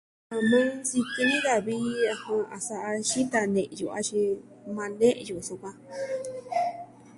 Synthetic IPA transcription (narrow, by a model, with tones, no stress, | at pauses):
ã˧mã˦si˧kɨ˧nĩ˦ða˧βi˦a˧hũ˧a˨sa˧ʔa˧ʃi˦t̪a˧nḛ̃˨ʔjṵ˨a̰˦t͡ʃi˧ | mã˧nẽ˦ʔju˨sõ˧kã˧